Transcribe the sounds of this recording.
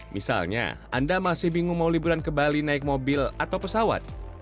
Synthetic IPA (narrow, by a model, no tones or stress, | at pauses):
mḭsa̰lɲa̰ʔa̰ndamasɪhbiŋuŋmawlibuɾankəmbalinaɪk̚mobɪlat̪awpəsawa̰t̪̚